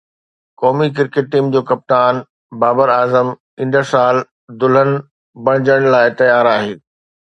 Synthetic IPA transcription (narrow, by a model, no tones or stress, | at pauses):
kɔːmik̬ɪɾkeːʈ̚ʈiːmd͡ʑoːkɐp̚t̪aːn | baːbəɾaːzəm | ɪ̃nd̪əɾsaːl | d̪ʊl̤ənɪ̆ | bɐɽ̃ɪd͡ʑəɽ̃laːɪt̪ɐjaːɾaːɦeː